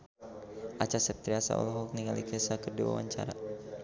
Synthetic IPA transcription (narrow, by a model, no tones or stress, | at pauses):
ʔat͡ʃasɛp̚t̪ɾiasa̰ʔɔ̰lɔɦɔk̚niŋalikɛsakərdiwa̰waɲt͡ʃa̰ɾa̰